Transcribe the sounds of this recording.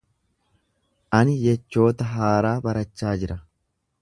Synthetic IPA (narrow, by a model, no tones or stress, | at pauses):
ʔɐnɪjɛt͡ʃːo̞ːt̪ɐɦaːɾaːbɐɾɐt͡ʃːaːd͡ʒɪɾɐ